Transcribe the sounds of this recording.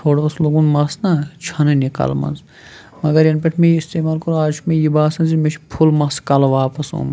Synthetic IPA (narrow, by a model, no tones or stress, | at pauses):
t̪ʰoːɽoːsloɡũːnmɐsnɐt͡ʃʰɐnɐnika̰ːlmɐ̰nz | mɐɡɐɾjɐnpʲeʈʰmẽjist̪eːmaːlkɐɾuaːd͡ʒmẽjibaːsɐnzimet͡ʃʰpʰulmɐskɐlʋaːpɐsõ̰ːm